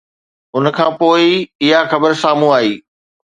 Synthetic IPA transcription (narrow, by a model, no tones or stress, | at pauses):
ʊnkʰãːpoːɪɪɦaxɐbəɾsaːmũaːɦiː